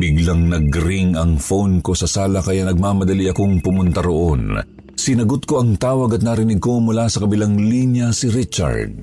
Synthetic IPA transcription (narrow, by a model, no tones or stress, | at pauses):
bɪɡlɐŋnɐɡɾiŋɐŋfownko̞sɐsaːlɐkɐjanɐɡ̚maːmɐd̪ɐliɐko̞ŋpʊmʊnt̪ɐɾoʔon | sɪnɐɡʊt̪̚ko̞ʔɐŋt̪aːwɐɡɐt̪̚naɾɪnɪɡ̚ko̞mʊlasɐkɐbɪlaŋlinjɐsɪɾit͡ʃɐ̰ɹd̪̚